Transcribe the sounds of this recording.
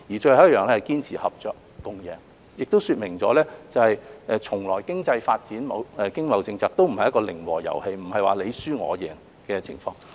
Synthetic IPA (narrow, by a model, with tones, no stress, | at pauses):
jiː˨˩t͡ʃɵ˧hɐ˨˦j̚jœː˨ŋlɛː˥hjkiː˥nt͡sʰiː˨˩hɐ˨p̚t͡ʃœː˨kːʊ˧ŋjɛː˨˩ŋ | jɪ˨k̚t̪o˥wsyː˧t̚mɪ˨˩ŋt͡sɔː˨˥lɛː˥t͡sɐ˨˧hɐ˨jʔɛː˨t͡ʃʰʊ˨˩ŋlɔː˨˩jkɪ˥ŋt͡sɐ˧jfaː˧t̚t͡siː˨˥nmɐ̰˨˧wɛː˨˧kɪ˥ŋlɐ˨˧wt͡sɪ˧ŋt͡saː˨˧k̚t̪o˥wm̩˨˩ɐ˨jɐ˥kɔː˧lɪ˨˩ŋwɔ̰ː˨˩jɐ̰˨˩whe˧jm̩˨˩hɐ˨jwa̰ː˨˩le˨˧jsyː˥ŋɔ̰ː˨˧jɛ̰ː˨˩ŋ | kɛː˧t͡sʰɪ̰˨˩ŋfɔ̰ː˧˥ŋ